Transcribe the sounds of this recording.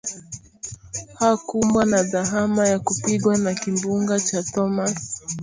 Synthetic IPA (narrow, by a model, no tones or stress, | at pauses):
hakumbwanaðaɦamajakupiɡwanakimbuŋɡat͡ʃatɔmas